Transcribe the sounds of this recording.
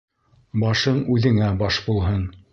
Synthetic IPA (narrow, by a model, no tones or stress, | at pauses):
bɑʃɤɴʉðɘ̆ŋæbɑʃbulˠɦɤn